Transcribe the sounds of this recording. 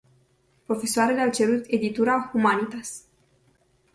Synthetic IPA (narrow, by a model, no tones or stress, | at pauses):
pɾo̞fe̞soaɾeleawt͡ʃe̞ɾut̪e̞d̪it̪uɾaxumanit̪as